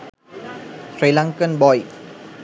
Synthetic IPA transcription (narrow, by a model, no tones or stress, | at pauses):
sɾilãŋkənbɔj